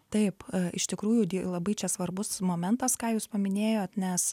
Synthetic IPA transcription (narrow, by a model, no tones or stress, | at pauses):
t̪ɐɪpɪʃt̪ʲɪkɾuːjʊd̪ʲilˠɐbɐɪt͡ʃʲɛsʋɐrbʊsmoːmʲɛnt̪ɐskɑːjuːspɐmʲɪnʲeːjoːt̪nʲɛs